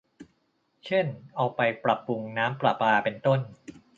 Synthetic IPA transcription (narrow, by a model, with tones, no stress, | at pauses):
t͡ɕʰe˥˩nʔa˧wpa˧jpɾa˨˩pːu˧ŋnaː˦˥mpɾa̰˨˩paː˧pe˧nt̪o˥˩n